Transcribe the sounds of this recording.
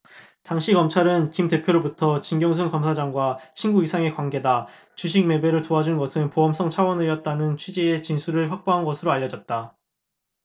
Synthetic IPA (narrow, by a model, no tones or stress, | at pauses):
taŋɕʰikʌmt͡ɕʰaɾɯnkimte̞pʰjoɾobutʰʌt͡ɕinɡjʌŋs̬ʰunkʌmsʰad͡ʑaŋɡwat͡ɕʰinɡuisʰaŋe̞kwanɡe̞da | t͡ɕuɕʰiŋ̚me̞be̞ɾɯɭtoɦad͡ʑunnɡʌsʰɯnpoɦʌms͈ʌŋt͡ɕʰawʌnɯjʌt̚t͈anɯnt͡ɕʰwid͡ʑiet͡ɕinsʰuɾɯɭɸwak̚p͈oɦanɡʌsʰɯɾoaʎːʌd͡ʑʌt̚t͈a